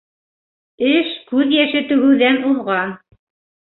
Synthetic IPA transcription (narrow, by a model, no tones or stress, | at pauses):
ɘʃkʉðjæʃɘt̪ɵ̆ɣɵ̆wðænuðʁɑn